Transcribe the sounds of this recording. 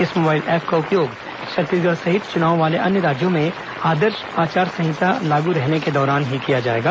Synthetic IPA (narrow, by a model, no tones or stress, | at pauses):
ɪsmoːbaːɪlɛːpʰkaʊpjoːɡ | ʃɐt̪iɡəɾsɐɦɪt̪t͡ʃʊnaːõʋaːleʔɐnjəɾaːd͡ʒjõmẽ | aːd̪əɾʃ | aːt͡ʃaːɾsɐ̃ɦɪt̪alaːɡuɾɛɦneked̪ɔːɾaːnɦikijad͡ʒaːeːɡaː